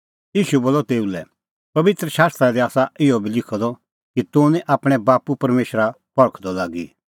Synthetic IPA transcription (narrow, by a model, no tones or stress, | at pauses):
jiːʃuboːlːɔt̪eːulɛ | pɐʋɪt̪ɾəʃaːst̪ɾad̪iaːsaɪɔbʱilɪkʰɔd̪ɔ | kit̪ʊ̃nĩʔaːpɽ̃ɛbaːpupɐɾmeːʃɾa | pɐɭəkʰd̪ɔlaːɡḭ